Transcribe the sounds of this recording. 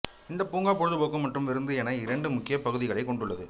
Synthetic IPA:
ɪnd̪ɐpuːŋɡaːpɔɻɯðɯpoːkːɯmːɐʈrɯmʋɪɾɯnd̪ɯɛnɐɪɾɐɳɖɯmʊkːɪjɐpɐɣɯðɪɣɐɭɐɪkɔɳɖɯɭːɐðɯ

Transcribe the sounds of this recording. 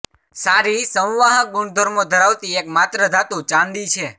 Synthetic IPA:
saɾisə̃w̃ʋaɦãbuɳd̪ʱəɾmod̪ʱəɾaʋt̪iekmat̪ɾəd̪ʱat̪ũt͡ʃãnd̪it͡ʃʰe

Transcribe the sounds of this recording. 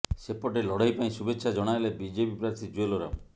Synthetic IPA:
sepɔʈelɔɽ̤ajpaĩsubetːʃʰad͡ʒɔɽ̃ajlebid͡ʒepipɾaɾt̪ʰid͡ʒueloɾa̰m

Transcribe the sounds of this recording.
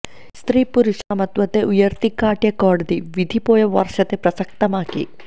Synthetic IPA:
st̪ɾiːpuɾuʂaːmɐt̪ʋɐt̪eʔujɐɾt̪ikaːʈjɐkɔːɖɐd̪iʋid̪ʱipoːjɐʋɐ̰ɾʂɐt̪epɾɐsɐk̚t̪ɐmaːkḭ

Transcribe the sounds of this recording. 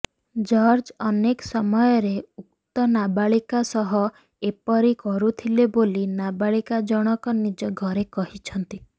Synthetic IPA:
d͡ʒɔɾd͡ʒɔneksɔmɔjɔɾeuk̚t̪ɔnabaɭikasɔɦɔ | epɔɾikɔɾut̪ʰilebolinabaɭikad͡ʒɔɽ̃ɔkɔnid͡ʒɔɡʱɔɾekɔɦit͡ʃʰɔnt̪i

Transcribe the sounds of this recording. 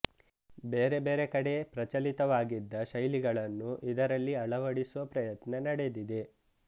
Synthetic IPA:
beːɾe̞be̞ːɾekɐɽe̞pɾɐt͡ʃɐlit̪ɐʋaːɡid̪ːɐʃɐjliɡɐɭɐnːuʔid̪ɐɾɐlːiɐɭɐʋɐɽisuʋɐpɾɐjɐt̪nɐnɐɽe̞d̪id̪e̞

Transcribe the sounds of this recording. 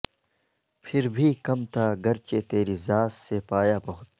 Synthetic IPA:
pʰɪɾbʱiːkɐmt̪ʰaːɡɐɾt͡ɕeːt̪eːɾiːzaːsːepaːjaːpɐɦʊt̪̚

